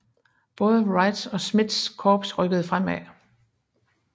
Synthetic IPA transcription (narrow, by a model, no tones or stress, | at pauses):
b̥ɔ̽ːðˠəʁɑ̈ɪd̥sɒ̽smid̥skʰɒːb̥sʁœɡ̥əð̞̩ˠfʁam̰æ